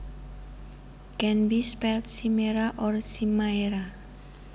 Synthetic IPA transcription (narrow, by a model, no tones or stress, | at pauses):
ɡ̥ɛnbispɛlt̪̚simeɾaʔɔrsimaeɾa